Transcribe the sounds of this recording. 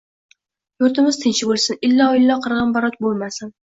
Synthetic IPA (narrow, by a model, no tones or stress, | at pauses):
juɾt̪ɪmɪz̥t̪ʰɪnt͡ʃɪbolˠsɪnɪlːɒɪlːɒqʰɨɾʁɑnbɒɾɒt̪bolˠmasɪn